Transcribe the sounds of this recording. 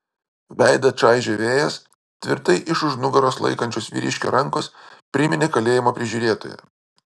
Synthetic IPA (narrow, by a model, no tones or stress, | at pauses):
ʋʲæɪd̪ɐt͡ʃɑɪʒʲoːʋʲeːjɛs | t̪ʲʋʲɪ̰ɾt̪ɐɪʔɪʃʊʒnʊɡɐɾoːslˠɐ̰ɪkɐnʲt͡ʃʲoːsʋʲḭɾʲɪʃʲkʲo̰ɾɐŋˑkoːspʲɾʲɪmʲɪnʲekɐlʲeːjɪmoːpʲɾʲɪʒʲuːɾʲeːt̪o̰ːjɛ̰